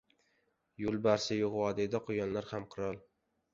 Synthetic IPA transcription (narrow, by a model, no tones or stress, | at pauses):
jʊlˠbaɾsɪjoʁwɒd̪ɪd̪aqʰojɒnlaɾhamqʰɨɾɒlˠ